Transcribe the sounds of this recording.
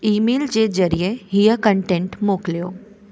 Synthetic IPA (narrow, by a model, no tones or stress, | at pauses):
iːmeːld͡ʑed͡zəɾijeɦijəkəɳʈẽɳʈmoːklijoː